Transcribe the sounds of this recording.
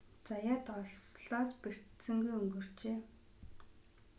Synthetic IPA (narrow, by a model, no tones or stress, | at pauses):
t͡sajaːt̪ɔɮsɮɔːsper̥t̪sɘ̆ŋɡujɵŋɡɵ̆r̥t͡ɕeː